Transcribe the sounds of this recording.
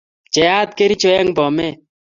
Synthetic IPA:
t͡ʃɛ˨a˦t̪̚ke˦ɾi˦t͡ʃɔ˦ɛ˦ŋbɔ˨mɛ˦

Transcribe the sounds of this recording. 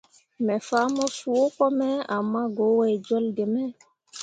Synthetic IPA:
mɛ˨fa˦mɔ˦su˨wo˦kɔ˦mɛ˦a˨mːa˦ɡo˨˦wɛ˨jd͡ʒɔ˦lde˨mɛ˦

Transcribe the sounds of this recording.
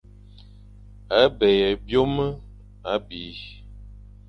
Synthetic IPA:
a˨˦bɛ˨jɛ˨bjo˦mə˦ | a˨˦biː˨˦

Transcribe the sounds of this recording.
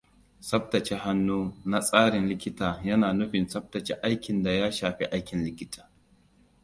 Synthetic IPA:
sɐ˦b̚tɐ˨t͡ʃe˦ha˦nːuː˦na˦sʼaː˦ɽɪ˨nlɪ˦kʲɪ˦taː˨jɐ˦naː˨nʊ˦ɸɪ˨nsɐ˦b̚tɐ˨t͡ʃe˦ʔa˦jkʲɪ˨nda˨jaː˦ʃaː˨ɸḭ˦ʔa˦jkʲɪ˨nlɪ˦kʲɪ˦tʰḁː˨

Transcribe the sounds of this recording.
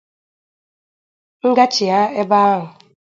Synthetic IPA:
ŋ̩˦ɡa˦t͡ʃi˨a˦e˦ba˦a˦ɦʊ˨

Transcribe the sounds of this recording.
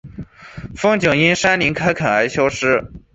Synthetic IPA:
fɤ˥ŋt͡ɕjɤ˨˩ŋi˥nʂa˥nli˧˥ŋkʰa˥ɪkʰa˨˩a˧˥ɪɕjɑ˥ʊʂɻ̩˥

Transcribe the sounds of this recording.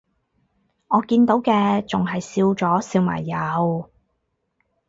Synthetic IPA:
ʔɔː˨˧kiː˧nt̪o˨˥wkɛː˧t͡sʊ˨ŋɦɐ˨jsiː˧wt͡sɔː˨˥siː˧wma̰ː˨˩jːaː˨˩ho˨w

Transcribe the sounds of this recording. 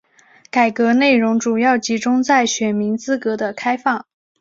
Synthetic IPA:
ka˨˩ɪkɤ˧˥ne˥˩ɪɻʊ˧˥ŋʈ͡ʂu˨˩jɑ˥˩ʊt͡ɕi˧˥ʈ͡ʂʊ˥ŋt͡sa˥˩ɪɕɥɛ˨˩nmi˧˥ŋt͡sɹ̩˥kɤ˧˥d̪ə˧kʰa˥ɪfɑ˥˩ŋ

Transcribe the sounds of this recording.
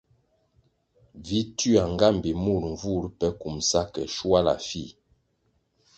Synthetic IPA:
vi˦ty˦a˨ŋ˨ɡa˦m˨bi˨mu˦˨ɾɱ̩˨vu˦˨ɾpɛ˦ku˨msa˦kɛ̰˨ʃwa˦la̰˨fi˦˨

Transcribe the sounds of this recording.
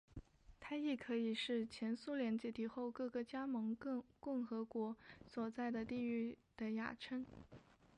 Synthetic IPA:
t̪ʰa˥i˥˩kʰɤ˧˥i˨˩ʂɻ̩˥˩t͡ɕʰjɛ˧˥nsu˥ljɛ˧˥nt͡ɕjɛ˧˥t̪ʰi˨˩xo˥˧ʊkɤ˥˩ɡə˩t͡ɕja˥mɤ˧˥ŋkʊ˥˩ŋxɤ˧˥kwɔ˧˥swɔ˨˩t͡sa˥˩ɪd̪ə˩t̪i˥˧y˥˩ | d̪̥ə˩ja̰˨˩ʈ͡ʂʰə˥ŋ

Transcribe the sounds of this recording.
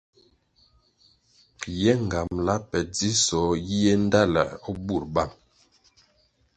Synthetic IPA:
jɛ˦ŋ˨ɡa˨mla˦pɛ˨d͡zi˦sɔ˨˦ji˦je˦n˦da˦la̰˨ɔ˦bu˦˨ɾba˦˨m

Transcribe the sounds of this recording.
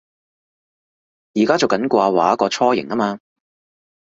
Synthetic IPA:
jiː˨˩kaː˥t͡so˨wkɐ˨˥nkʷaː˧waː˨˦˥kɔː˧t͡ʃʰɔː˥jɪ˨˩ŋɐ˥maː˧

